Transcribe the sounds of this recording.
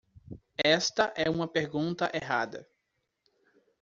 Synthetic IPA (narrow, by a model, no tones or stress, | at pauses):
ɛst̪ɐʔɛũmɐpeɾɡũnt̪ɐʔeɦa̰d̪ɐ̰